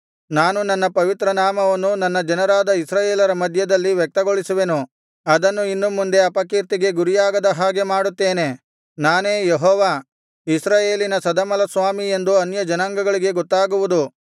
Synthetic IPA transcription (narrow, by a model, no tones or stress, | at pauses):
naːnunɐnːɐpɐʋit̪ɾɐnaːmɐʋɐnːunɐnːɐd͡ʒɐnɐɾaːd̪ɐisɾaːjeːlɐɾɐmɐd̪ʱjɐd̪ɐlːiʋjɛk̚t̪ɐɡoɭisuʋe̞nu | ɐd̪ɐnːuinːumːund̪e̞ɐpɐkiɾt̪iɡe̞ɡuɾijaːɡɐd̪ɐɦaːɡe̞maːɽut̪ːe̞ːne̞ | naːne̞ːjeɦɔːʋaː | isɾaːjeːlinɐsɐd̪ɐmɐlɐsʋaːmie̞nd̪uɐnjɐd͡ʒɐnaŋɡɐɡɐɭiɡe̞ɡɔt̪ːaːɡuʋud̪u